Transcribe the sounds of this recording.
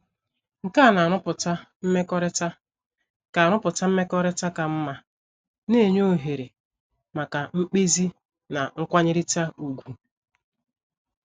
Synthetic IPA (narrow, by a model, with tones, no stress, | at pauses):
ŋ̩˨ka˦˨na˨a˨nʊ˦pʊ˨ta˦m̩˦me˦kɔ˦ɾta˦ | ka˨a˨nʊ˦pʊ˨ta˦m̩˦me˦kɔ˦ɾe˦ta˦ka˨m̩˦ma˦ | ne˦˨ɲo˦ɦe˨ɾe˨ | ma˨ka˨m̩˦k͡pe˦zi˦ | na˨ŋ̩˦kʷa˦ɲɪ˦ɾi˦ta˦u˨ɡʷu˨